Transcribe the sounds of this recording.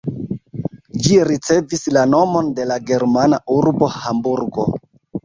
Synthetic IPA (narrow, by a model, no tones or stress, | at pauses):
d͡ʒiɾit͡se̞vislano̞mo̞nde̞laɡe̞ɾmanauɾbo̞hambuɾɡo̞̰